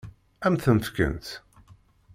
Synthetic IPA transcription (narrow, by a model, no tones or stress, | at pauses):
æmθənfkə̰nt̪